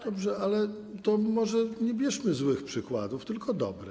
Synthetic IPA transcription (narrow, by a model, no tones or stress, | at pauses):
d̪̥ɔbʐɛʔalɛ | t̪ɔmɔʐɛɲɛbʲjɛʂmɘzwɘxpʂɘkwa̰d̪uft̪ɘlkʰɔd̪ɔ̰bɾɛ